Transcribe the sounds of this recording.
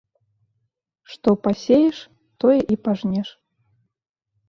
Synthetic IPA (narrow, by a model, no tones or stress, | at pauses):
ʂt̪ɔpasʲejɛʂ | t̪ɔjɛʔipaʐnʲɛʂ